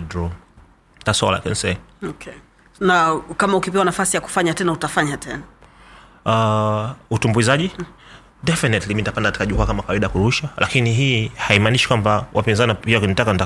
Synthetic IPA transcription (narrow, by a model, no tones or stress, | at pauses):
dɾɔ | tasɔla̰kɛ̰nsɛɔkʰɛ | nakamaukipɛwanafasijaku̥faɲatɛnautafaɲatɛna | a | utumbuizaʄi | dɛfinɛtliminitapandakati̥kaʄukuakamakawaiɗakuɾuʃalʔa̰kiniɦiːhaimaniʃi̥kwambawʔapinzanipiakunitakanita